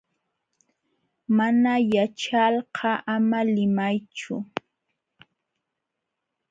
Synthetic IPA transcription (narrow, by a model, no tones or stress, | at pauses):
manajat͡ʃɑlɢʰɑʔamalɪmajt͡ʃʊ̰